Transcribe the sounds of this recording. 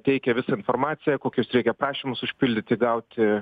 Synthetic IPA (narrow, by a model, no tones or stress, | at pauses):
t̪ʲɛɪkʲɛʋʲɪsɑɪnfoːrmɑːt̪sʲɪjɛkoːkʲosɾʲɛɪkʲɛpɾɑːʃʲiːmʊsʊʃʲpʲɪlʲd̪ʲɪt̪ʲɪɡɐʊt̪ʲɪ